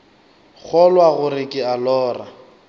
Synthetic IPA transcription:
k͡xʰɔlwaɣʊɾɪkʼɪalɔːra

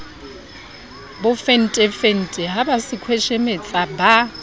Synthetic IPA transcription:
bʊfen̩tʼɛfen̩tʼɛɦabasɪkʰwɛʃɛmet͡sʼaba

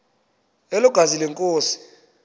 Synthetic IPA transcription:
eluɡ̥ʱazilɛŋkʼoːsi̥

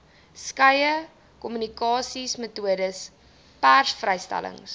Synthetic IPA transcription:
skɐjə | kɔmynikɑːsismətuədəs | pærsfrəjstæ̰lə̰ŋs

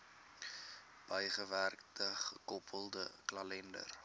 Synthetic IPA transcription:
b̥əjχəværktəχəkɔpʰəlˠdəklɐlɛndə̰r

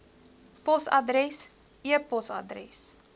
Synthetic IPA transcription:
pɔsɐdrɛs | iəpɔsɐ̰drɛ̰s

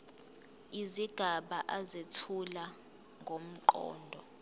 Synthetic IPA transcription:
iziɡ̥ʱaɓaʔazetʰula | ŋʱom̩ǃɔ̰ːndʱɔ

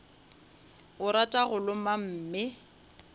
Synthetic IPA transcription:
ʊɾatʼaɣʊlʊmam̩ːmɪ

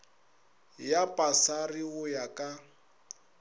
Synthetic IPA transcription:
japʼasariɣʊjakʼa

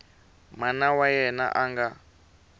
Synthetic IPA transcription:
manawajɛna̰ʔaŋɡa

